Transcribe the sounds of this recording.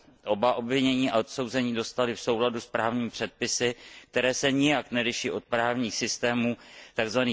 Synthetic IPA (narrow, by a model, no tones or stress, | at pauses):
ʔo̞baʔo̞bvɪɲɛɲiːʔaot̪so̞wzɛɲiːdo̞st̪alɪfso̞wladuspɾaːvɲiːmɪpr̝̥ɛt̪̚pɪsɪk̚t̪ɛɾɛːsɛɲɪjaknɛɾɪʃiːʔo̞t̪̚pɾaːvɲiːxsɪst̪ɛːmuːt̪aɡzvaniː